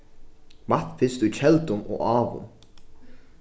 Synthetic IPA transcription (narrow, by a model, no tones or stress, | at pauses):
mɑθfɪst̪ʉçɛlt̪ʊmo̰ːʔɑːʋʊ̰m